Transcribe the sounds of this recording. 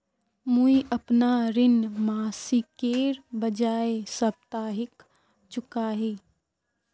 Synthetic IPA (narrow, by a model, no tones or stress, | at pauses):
muiʔəpnaɾɪnmaːsikeːɾbəd͡ʒaːesəb̚t̪aːɦɪk | t͡ʃʊkaɦeː